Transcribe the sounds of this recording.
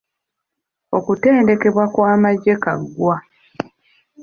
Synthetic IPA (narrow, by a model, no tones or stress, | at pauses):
o̞kute̞ːnde̞ke̞βwakwaːmaɟːe̞ka̰ɡːwa